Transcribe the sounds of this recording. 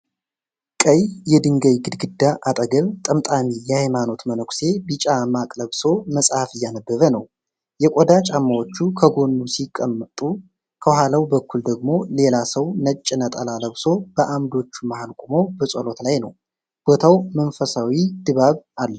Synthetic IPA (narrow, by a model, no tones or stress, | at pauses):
kʼəjjɛd̪ɨŋɡəjɡɨd̪ɡɨd̪ːaʔat̪ʼəɡəβt̪ʼəmt̪ʼamijɛhajmano̞t̪mənokʷse̞bɨt͡ʃʼamakʼləβso̞məsʼhafɨjːanəbːəβənəw | jɛkʷʼod̪at͡ʃʼamːawot͡ʃːukʰəɡo̞nːusikʼːəmːət̪ʼu | kʰəwhalawbəkʰʷːuld̪əɡmo̞le̞lasəwnət͡ʃʼːɪnət̪ʼəlaləβso̞b̥əʔamd̪o̞t͡ʃːumahalkʼumo̞bəsʼolo̞t̪lajnəw | b̥o̞t̪ʰawmənfəsawid̪̥ɨβaβalːə